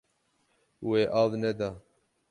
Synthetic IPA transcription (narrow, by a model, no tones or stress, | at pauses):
weːʔaːvnɛd̪ɑː